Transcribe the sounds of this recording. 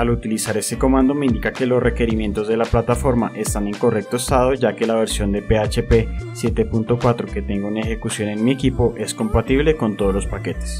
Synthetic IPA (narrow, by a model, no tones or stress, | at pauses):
alut̪ilisaɾe̞se̞ko̞mãnd̪o̞meind̪ikake̞lo̞sre̞ke̞ɾimje̞nt̪o̞zd̪e̞laplat̪afo̞ɾmaʔe̞st̪ane̞ŋko̞re̞k̚t̪oest̪að̞o̞d͡ʒake̞laβ̞e̞ɾsjo̞nd̪epe̞at͡ʃe̞pe̞sje̞t̪e̞punt̪o̞kwat̪ɾo̞ke̞t̪e̞ŋɡounaexe̞kusjo̞ne̞nmiekipo̞ʔe̞sko̞mpat̪iβle̞ko̞nt̪o̞ð̞olo̞spake̞t̪e̥s